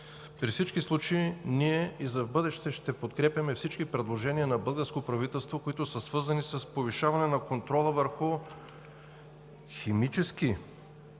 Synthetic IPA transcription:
pɾifsit͡ʃkislˠut͡ʃeiniɛizɐvbɤd̪ɛʃt̪ɛʃt̪ɛpot̪kɾɛpjʲɐmɛfsit͡ʃkipɾɛd̪lˠoʒɛniɐnɐbɤlˠɡəɾskopɾɐvit̪ɛlˠst̪vokoit̪ʊsəsvɤɾzɐnisɐspoviʃavɐnɛnɐkont̪ɾɔlˠəvəɾxʊ | ximit͡ʃɛski

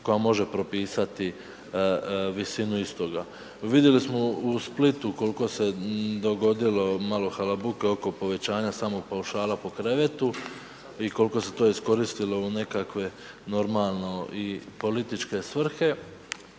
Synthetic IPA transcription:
ko̞jamo̞ʒe̞pɾo̞piːsat̪i | ʋisinuist̪o̞ɡa | ʋid̪je̞lismo̞usplit̪uko̞liko̞se̞d̪o̞ɡo̞d̪ilo̞malo̞xalabuke̞o̞ko̞po̞ʋe̞t͡ɕaːɲasaːmo̞ɡ̚pauʃaːlapo̞kɾe̞ʋet̪u | iko̞liko̞se̞t̪o̞isko̞ɾist̪ilo̞une̞kakʋe̞ | no̞ɾmalˠno̞ipo̞lit̪it͡ʃke̞sʋr̩xe̞

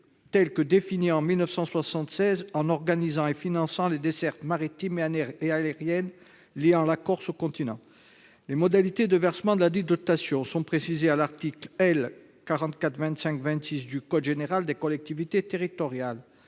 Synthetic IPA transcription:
t̪ɛlkəd̪efiniɑ̃milnəfsɑ̃swasɑ̃t̪sɛzɑ̃nɔʁɡanizɑ̃efinɑ̃sɑ̃led̪esɛʁt̪maʁit̪imeaealeʁjɛn | liɑ̃lakɔʁsokɔ̃t̪inɑ̃ | lemɔd̪alit̪ed̪əvɛʁsəmɑ̃d̪əlad̪id̪ɔt̪asjɔ̃sɔ̃pχesizealaʁt̪iklɛl | kaʁɑ̃t̪kat̪χvɛ̃t̪sɛ̃kvɛ̃nt̪sisd̪ykɔd̪ʒeneʁald̪ekɔlɛk̚t̪ivit̪et̪eʁit̪ɔʁjal

